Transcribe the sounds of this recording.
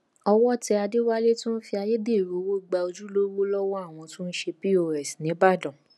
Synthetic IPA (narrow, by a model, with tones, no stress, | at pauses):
ɔ˧wɔ˦˨tɛ˧a˧de˦wa˦le˦tũ˦n̩˦fi˧a˧je˦de˦˨ɾo˨˦wo˦˨ɡ͡ba˧o˧d͡ʒu˦lo˦wo˦lɔ˦wɔ˦a˦˨w̃ɔ̃˧tũ˦n̩˦ʃe˧pi˦o˧ɾɛ˨snĩ˨˦ba˦˨dɔ̃˨